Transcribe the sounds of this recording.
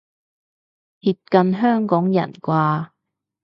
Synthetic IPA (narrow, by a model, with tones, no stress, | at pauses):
hiː˧t̚kɐ˧nɦœː˥ŋkɔː˨˥ŋjɐ̰˨˩nkʷwaː˧